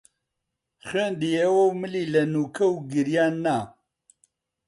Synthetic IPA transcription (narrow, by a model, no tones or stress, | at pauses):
xend̪ijɛwɐwmɨlilɐnuːkʰɐwɡɨɾjaːnːa